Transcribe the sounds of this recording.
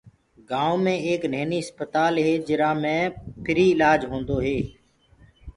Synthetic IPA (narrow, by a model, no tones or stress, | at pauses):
ɡãːõːmẽːeːkneːniːɦəspət̪aːlɦeːd͡ʒɪɾãːmẽːpʰɪɾiːɪlaːd͡ʒɦõːnd̪oːɦeː